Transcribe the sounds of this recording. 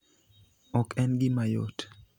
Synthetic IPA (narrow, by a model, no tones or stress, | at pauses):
ɔkʰɛnɡɪmajo̰t